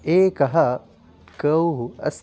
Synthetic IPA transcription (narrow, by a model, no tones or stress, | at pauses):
eːkɐɦɐ | kɐwɦuɐ̰s